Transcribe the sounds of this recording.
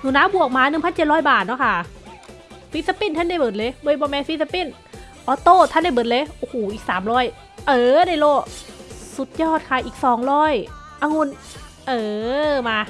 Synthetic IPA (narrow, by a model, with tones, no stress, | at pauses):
nu˧˦naː˧˥˨bu˨˩ək̚maː˧˥nɯ˨˩ŋpʰnt͡ɕe˨˩t̪̚ɾɔː˧˥˨jbaː˨˩t̪̚nɔ˧˥˩kʰa˧˩ | fi˧˥sa˧pi˧˩nt̪ʰa˧˥˩nda˥˩jbɤː˨˦n̚leː˧˦bɤ˧˨jbɔː˧˦mɛː˧fi˧˥sa˧pi˧˥˩n | ʔɔː˧˦t̪oː˧˥˩t̪ʰa˧˥˨da˧˩jbɤ˨˦nleː˧˦ʔoː˧˩hoː˨˩ʔiː˨˩k̚saː˨˦mɾɔː˧˥˩j | ʔɤː˧˩daː˧˥˩jloː˧˩su˨˩˦t̪̚jɔː˧˩t̪̚kʰaː˧˩˨ʔiː˨˩k̚sɔː˨˩˦ŋɾɔː˧˥˩j | ʔa˧˩ŋu˧˥˨n | ʔɤː˧˩maː˧